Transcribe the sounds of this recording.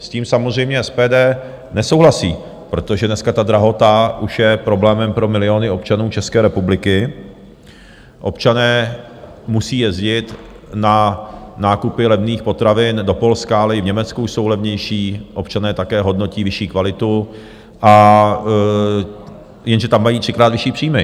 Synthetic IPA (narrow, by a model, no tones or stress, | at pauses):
sciːmsamozrɛjmɲɛɛspɛːdɛː | nɛsowɦlasḭː | pɾot̪o̞ʒɛdnɛskat̪ad̪ɾaɦo̞t̪aʔuʃjɛpɾo̞blɛːmɛmpɾo̞mɪlɪo̞nɪo̞p̚t͡ʃanuːt͡ʃɛskɛːɾɛpublɪkɪ | ʔo̞̰pt͡ʃanɛː | musiːjɛzɟɪt̪ | nanaːkupɪlɛvniːxpo̞t̪ɾavɪndo̞po̞lskaalɛɪvɲɛmɛt͡skuuʃso̞wlɛvɲɛjʃiːʔo̞p̚t͡ʃanɛːt̪akɛːɦo̞dno̞ciːvɪʃiːkvalɪt̪u | ʔa | jɛnʒɛt̪amːajiːt̪r̥ɪkɾaːt̪vɪʃiːpr̥iːmɪ